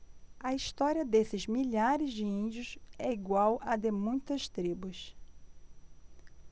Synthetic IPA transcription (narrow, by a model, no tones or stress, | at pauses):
ɐist̪ɔɾiɐd̪esɪzmiʎaɾɪzd͡ʒɪĩd͡ʒiʊsɛiɡwawʔɐd̪emũj̃t̪ɐst̪ɾibʊs